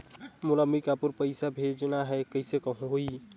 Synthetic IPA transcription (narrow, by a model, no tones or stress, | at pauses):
mʊləmbikapuɾpəɪsabʱed͡ʒnaɦɛkəɪsekəɦũoi